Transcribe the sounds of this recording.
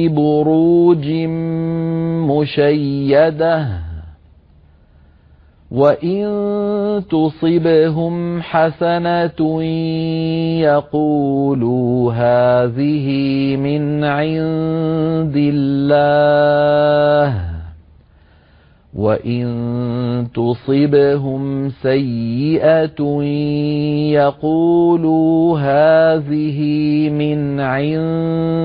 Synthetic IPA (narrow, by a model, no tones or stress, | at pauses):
bʊɾuːd͡ʒɪ | mʊʃajːad̪ah | waʔɪnt̪ʊsˤɨbɦʊmħasana | jɑquːlɦaːðɪɦɪmɪnʕɪn | d̪ɪlːaː | h | waʔɪnt̪ʊsˤɪbɦʊmsajːɪʔa | jɑquːluɦaːðɪɦɪmɪnʕɪn